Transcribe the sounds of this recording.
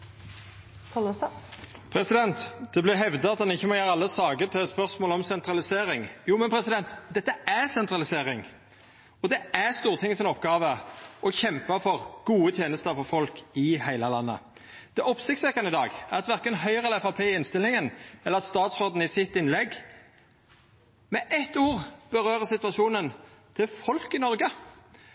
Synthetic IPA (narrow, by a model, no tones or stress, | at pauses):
kʰɔls | pʰɾɛsɪd̪ɛnt̪d̪̥ɛblɪɦɛʋd̪ɑɑt̪hɑnɪçːəmɔjæːɾəɑlːəsɑːɡət̪ʰɪlspœʁsmoːlɔmsɛnt̪ɾɑlɪseːɾɪŋjuːmɛnpʰɾɛsɪd̪ɛnt̪d̪ɛt̪ːəæʁsɛnt̪ɾɑlɪseːɾɪŋ | ɔd̪ɛæʁst̪uːʁt̪ʰɪŋːəsɪnɔpːɡɑːʋəɔçɛmpɑfɔʁɡ̥uːət̪ʰjeːnəst̪əɾfɔɾfɔlkɪhæɪlɑlɑnːə̰ | d̪̥ɛʔɔpsɪkt̪sʋɛkːɑnɪd̪ɑːɡæɾɑt̪ʋæʁkənɦœʏʁɛlɛfɑpʰeːɪɪnst̪ɪlːɪŋənɛlːəəʁst̪ɑːt̪sʁoːd̪n̩ɪsɪt̪ːɪnlɛɡ | mɛʔɛt̪ːuːʁb̥əɾøːʁəsɪt̪ʋɑʂuːnənt̪ʰɪlfɔlkɪnɔɾɡə